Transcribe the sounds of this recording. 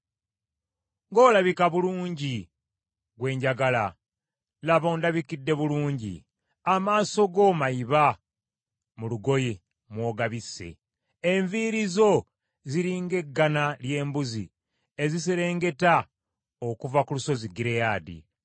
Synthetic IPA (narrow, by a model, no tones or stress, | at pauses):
ŋɡo̞ːlaβikaβuluːɲɟi | ɡwe̞ːɲɟaɡala | laβoːndaβikidːe̞βuluːɲɟḭ | amaːso̞ɡo̞ːmaiβa | muluɡo̞je | mwo̞ːɡaβisːe̞̰ | eɱviɾizo̞ | ziɾiːŋɡe̞ɡːanalje̞ːmbuzi | e̞zis̬eɾe̞ːŋɡe̞ta | okuvakuluso̞ziɡiɾejaːdḭ